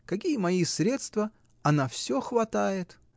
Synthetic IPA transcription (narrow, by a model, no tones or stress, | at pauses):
kɐkʲijəmɐisɾʲe̞t̪st̪və | ɐnafsʲoxvɐt̪ajɪt̪